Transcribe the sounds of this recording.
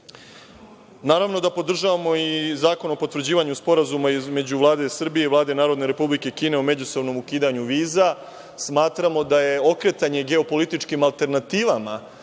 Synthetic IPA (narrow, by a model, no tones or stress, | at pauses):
naːɾaʋno̞d̪apo̞d̪r̩ʒaʋamo̞izaːko̞no̞po̞t̪ʋɾr̩d͡ʑiːʋaɲuspo̞ɾazumaime̞d͡ʑuʋlˠaːd̪e̞sr̩bije̞iʋlaːd̪e̞naːɾo̞d̪ne̞ɾe̞publike̞kiːne̞omed͡ʑuso̞ʋno̞mukiːd̪aɲuʋiːza | smaːt̪ɾamo̞d̪aje̞o̞kɾe̞t̪aɲe̞ɡe̞o̞po̞lit̪it͡ʃkimalˠt̪e̞ɾnat̪iːʋama